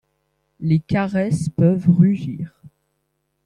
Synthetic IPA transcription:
lekaʁɛspœvʁyʒiːʁ

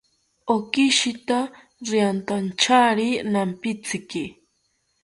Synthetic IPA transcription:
okɪʃɪt̪a | ɾiant̪ant͡ʃʰaɾinampɪt͡sɪki

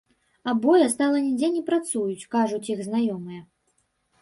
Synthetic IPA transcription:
abɔjɐst̪alˠɐnʲid͡zʲɛnʲɛpɾat̪sujut͡sʲkaʐut͡sʲiɣznajɔmɨjɛ

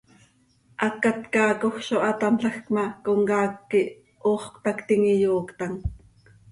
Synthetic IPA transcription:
ʔɑkat̪kɑːkoxʃoʔɑt̪ɑnɬɑxkmɑkoŋkaːkːiʔ | oːχkt̪ɑkt̪iŋijoːkt̪ɑŋ

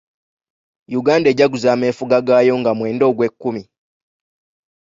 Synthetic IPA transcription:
juɡaːnde̞ːɟaɡuzaːme̞ːfuɡaɡaːjo̞ŋɡamwe̞ːndo̞ːɡwe̞kːumi

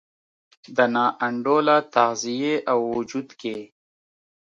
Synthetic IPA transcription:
d̪ənɑːʔɐɳɖoːlat̪ahzijeʔawːʊd͡ʒud̪keː

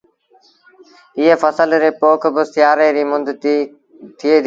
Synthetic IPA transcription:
ɪɦeːfəsəlɾeːpoːkʰbəst̪ɪjaːɾeːɾiːmʊnd̪ʱt̪iː | t̪ʰɪeːd̪ʱ

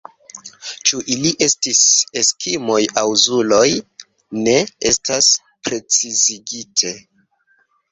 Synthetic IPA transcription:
t͡ʃuʔiliʔe̞stise̞skʰimo̞jawzulo̞j | ne̞e̞stas | pɾe̞t͡siziɡitʰe̞

